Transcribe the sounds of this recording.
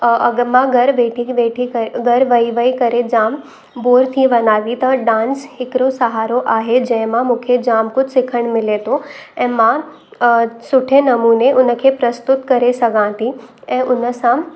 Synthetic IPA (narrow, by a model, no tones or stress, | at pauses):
ɐɡmãɡɐɾʋeːʈʰikʋeːʈʰikɐɡɐɾʋɐiʋəikɐɾed͡ʑaːm | boːɾt̪ʰiʋɐnaːd̪it̪ɐɖãːnshɪkɪɾosɐɦaːɾoʔaːɦed͡ʑɐ̃ɪ̃mãmũːkʰed͡ʑaːmkʊd͡ʒsɪkʰəɽ̃mɪlet̪ʰoɛ̃ːmã | sʊʈʰenɐmuːneʔʊnəkʰepɾɐst̪ʊt̪kɐɾesɐɡʱãːt̪iɛ̃ːʔʊnəsã